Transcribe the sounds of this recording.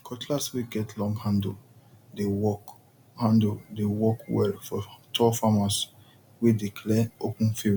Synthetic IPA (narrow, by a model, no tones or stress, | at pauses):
kʰɔtʰlaswiɡɛtʰlɔ̃ŋɡhãnd | dewɔk | hãndudewɔkwɛ̰lfɔtʰɔfamas | wedikʰlɛopũnfiɹi